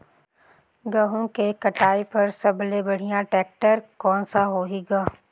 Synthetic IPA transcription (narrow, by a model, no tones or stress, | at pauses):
ɡɐɦõkekɐʈaːipɐɾsɐblebɐɽ̤ijãʈɛːk̚ʈəɾkɔːnsaɦoːɦiɡaː